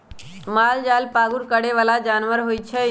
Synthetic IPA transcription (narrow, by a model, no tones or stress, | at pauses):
maːld͡ʒalpaːɡuɾkəɽeʋalad͡ʒaːnʋəɾɦoːjt͡ʃʰe